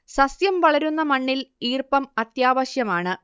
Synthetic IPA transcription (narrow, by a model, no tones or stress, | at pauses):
sɐsjɐmʋɐɭɐɾunːɐmɐɳːiliːrpɐmɐt̪jaːʋɐɕjɐmaːɳɨ